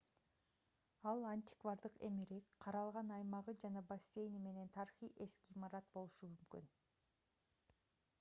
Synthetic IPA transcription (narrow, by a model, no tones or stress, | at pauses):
ɑlˠanʲt̪ʲɪ̥kvaɾd̪ɯqe̞̰miɾekqʰɑɾɑlˠʁɑnɑjmɑʁɯd͡ʒɑnɑbasʲːe̞jnime̞ne̞nt̪ʰɑɾiχijʔe̞skiːmɑɾɑt̪bo̞lˠuʃumymkyn